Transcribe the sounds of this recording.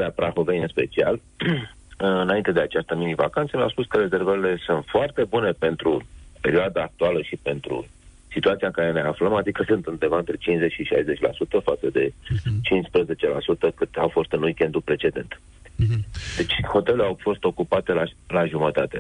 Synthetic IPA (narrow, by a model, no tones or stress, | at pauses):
ɾeapɾaxovejɨnspe̞t͡ʃia̰l | ɨɨnaint̪e̞d̪e̞at͡ʃast̪əminivakant̪səma̰spuskəɾe̞ze̞rvəɾile̞sunt̪foart̪e̞bune̞pe̞nt̪ɾupe̞ɾioad̪aːk̚t̪ualəʃipe̞nt̪ɾṵ | sit̪uat̪sijaŋkaɾe̞ne̞afləmad̪ikəsɨnt̪ɨnd̪e̞vaɨnt̪ɾe̞t͡ʃinszet͡ʃʃiʃa̰jze̞t͡ʃʲla̰sut̪əfat̪səd̪e̞t͡ʃinspɾəze̞t͡ʃe̞la̰sut̪əkɨt̪awfo̞st̪ɨnujkʲe̞nt̪upɾe̞t͡ʃe̞d̪e̞̰nt̪ | d̪e̞t͡ʃʲxo̞t̪eleawfo̞st̪o̞kupat̪e̞lalaʒumət̪at̪e̞